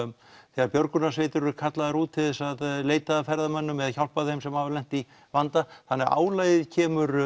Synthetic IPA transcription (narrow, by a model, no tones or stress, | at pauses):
θɛːɣaɾpjœɾkʏnasveːt̪ʏɾʏɾkʰat̪laðaɾuːt̪ʰːɪðɛsaðleːjt̪aðːfɛɾðamœnːʏmɛðaðçawl̥paðɪhɪmsɛmhavaɾlɛn̥t̪i | vant̪aθanːɛɣa̰ːwlaːjðɪðcʰɛːmʏɾ